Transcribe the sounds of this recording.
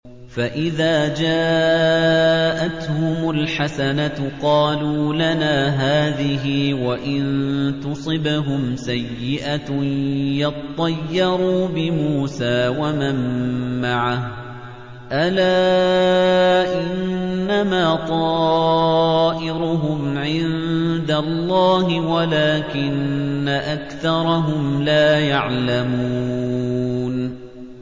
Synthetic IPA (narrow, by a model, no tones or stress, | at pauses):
faʔɪðaːd͡ʒaː | ʔat̪hʊmʊlħasanaqɑːluːlanaːɦaːðɪɦɪwaʔɪnt̪ʊsˤɨbɦʊmsajːɪʔa | jɑt̪ˤːɑjːɑɾuːbɪmuːsaːwamamːaʕah | ʔalaː | ʔɪnːamaːt̪ˤɑː | ʔɪɾʊɦʊmʕɪnd̪alˤːɑːɦɪwalaːkɪnːaʔakθɑɾˤɑɦʊmlaːjaʕlamuː | n